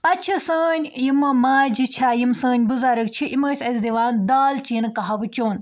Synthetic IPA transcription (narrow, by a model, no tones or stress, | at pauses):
pɐt͡ʃʰisəːnʲjimɨmaːd͡ʒit͡ʃʰaːjimsəːɲʲbuzaːɾɨkt͡ʃʰiʔiməːsʲɐzʲd̪iʋaːnd̪aːlt͡ʃinɨkɐɦɐʋt͡ʃoːn